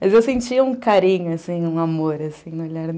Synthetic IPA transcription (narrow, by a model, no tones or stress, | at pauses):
mɐzewsẽt͡ʃiɐũkaɾĩɲʊasĩũamoɾasĩnoʎaɾ